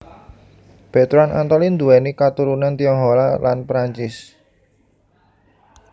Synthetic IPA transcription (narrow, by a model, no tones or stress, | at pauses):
b̥ɛt̪ɾana̰nt̪ɔlind̪uɛnikat̪uɾunant̪iɔŋɦolalanpɾaɲt͡ʃɪs